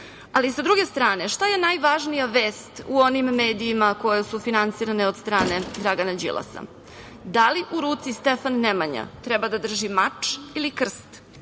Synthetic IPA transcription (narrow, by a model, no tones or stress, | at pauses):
alisad̪ɾuɡe̞st̪ɾaːne̞ʂt̪aje̞najʋaʒnijaʋe̞ːst̪uo̞nimːe̞ːd̪iːmako̞jesufinant̪siːɾaneo̞d̪st̪ɾaːne̞d̪ɾaɡanad͡ʑḭlˠʔa̰sa̰ | d̪aliʔuɾuːt̪sist̪efanːemaɲa̰t̪ɾɛbad̪ad̪r̩ʒimat͡ʃilikr̩st̪